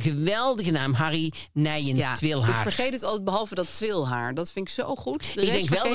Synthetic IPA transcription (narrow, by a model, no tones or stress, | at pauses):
ɣəʋɛlˠdəɣənaːmɦarinɛjəntʋɪlˠɦaɪkfəɹχejtətɑlˠtɛd̚bəɦɑlˠvədɑtʋɪlˠɦa̰ːɹdɑtfɪnɪksowχutəɪɡdɛŋkʋʋɛlˠ